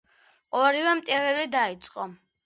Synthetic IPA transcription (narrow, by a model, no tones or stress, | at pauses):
ɔɾivɛmt̪ʼɛɾɛlid̪ait̪sʼqʼɔ